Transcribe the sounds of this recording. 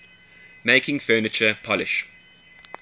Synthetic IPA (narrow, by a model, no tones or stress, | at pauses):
meɪkʰɪ̃ŋfɜːnɪt͡ʃəpʰɒlɪ̰ʃ